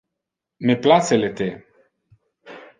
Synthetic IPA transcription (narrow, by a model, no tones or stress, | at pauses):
meplaselet̪e